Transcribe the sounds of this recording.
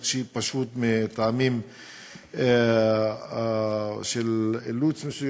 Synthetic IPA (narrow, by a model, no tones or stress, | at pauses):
ʃipaʃut̪met̪aamim | ʃelelut͡smesuj